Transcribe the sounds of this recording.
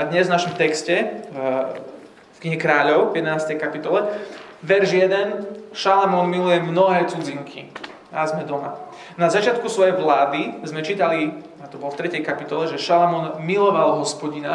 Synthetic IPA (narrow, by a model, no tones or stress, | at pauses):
ad̪ɲɛzvnaʃɔmt̪ɛkscɛ | fkɲiɦɛkɾaːʎɔʊvjɛd̪ɛnaːst̪ɛjkapit̪ɔlɛʋɛɾʒjɛd̪ɛnʃalamɔnmilujɛmnɔɦɛːt͡sud͡ziŋkʰḭ | azmɛd̪ɔma̰ | nazat͡ʃɪat̪̚kusʋɔjɛjʋlaːd̪izmɛt͡ʃiːt̪ali | at̪ɔbɔlft̪ɾɛcɛjkapit̪ɔlɛʒɛʃalamɔnmilɔʋalɦɔspɔɟina